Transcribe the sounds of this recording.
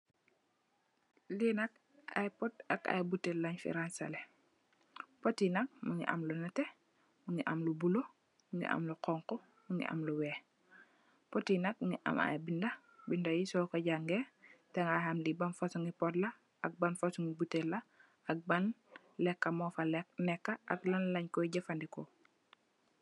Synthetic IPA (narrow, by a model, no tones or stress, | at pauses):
linɐk̚ | a̰jpɔtɐ̰ka̰jbutːɛlːɐɲfḭɾansɐlɛ | pɔtinɐk̚muŋḭʔɐ̰mlunɐtɛ | muŋiʔɐmlubulo | muŋɡḭʔɐ̰mluqɔŋkɔ | muŋɡḭʔɐ̰mluwɛː | pɔtinɐk̚ŋiʔa̰ma̰bindɐ | bindajisɔːkaɟaŋɡɛtɛŋahamlibɐnfosuŋɡipɔtlɐ | ʔɐk̚banfosuŋɡibutːelːɐ | ɐk̚bɐn | lɛkːɐmɔfalɛknɛkːaʔaklɐnlɐɲkɔɟɐfandikɔ